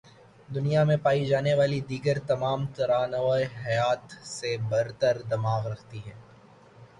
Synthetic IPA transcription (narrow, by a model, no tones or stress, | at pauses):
d̪ʊnijamẽpaːid͡ʒaːneʋaːlid̪iːɡəɾt̪ɐmaːmt̪ɐɾaːnʋaːeɦɐjaːt̪sebɐɾt̪əɾd̪ɐmaːɣɾɐkʰt̪iɦɛː